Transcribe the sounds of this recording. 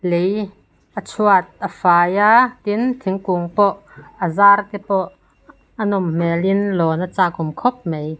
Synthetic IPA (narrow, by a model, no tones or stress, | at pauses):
lej | ʔat͡sʰuat̪̚ʔafaːjat̪int̪ʰiŋkuŋpɔʔ | azaːrt̪ɛpɔʔ | ʔanɔmm̥ɛlɪnlɔnat͡saːkɔmkʰɔp̚mej